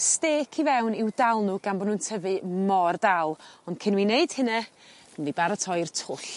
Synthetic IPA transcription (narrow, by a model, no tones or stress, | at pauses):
steːkʰivɛwnɪwdalˠnuɡanbɔnuːntʰəvɨmɔrdalˠɔnd̥kʰɪnwineɨd̥hɨnɛ | nvibaɾətʰɔjrtʰʊɬ